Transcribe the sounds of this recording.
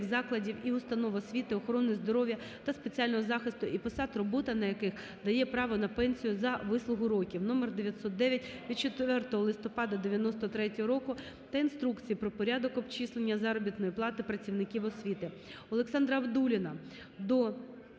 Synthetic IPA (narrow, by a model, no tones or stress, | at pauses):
xzɑklˠɐdʲiwiʊst̪ɐnɔʋɔsʲʋʲit̪ɪɔxɔɾɔnːɪjzd̪ɔɾɔʋjɐ | t̪ɐspet͡sʲiɑlʲnɔɦɔzɑxɪst̪ʊʔipɔsɑt̪rɔbɔt̪ɐnɐjɐkɪx | d̪ɐjɛpɾɑʋɔnɐpɛnʲsʲijʊzɐʋɪslˠʊɦʊɾɔkʲiwnɔmerd̪eʋʲjɐt̪sɔt̪̚d̪ɛʋʲjɐtʲʋʲit͡ʃet̪ʋɛrt̪ɔɦɔlˠɪst̪ɔpɑd̪ɐd̪eʋʲjɐnɔst̪ɔt̪ɾɛtʲɔɦɔɾɔkʊ | t̪ɐinst̪ɾukt͡sʲijipɾɔpɔɾʲad̪ɔkɔbt͡ʃislˠenʲːɐzɑɾɔbʲit̪nɔjiplˠɑt̪ɪpɾɐt͡sʲiwnɪkʲiwɔsʲʋʲit̪ɪ | ɔlˠeksɑnd̪ɾɐɐwd̪ulʲɪnɐ | d̪ɔ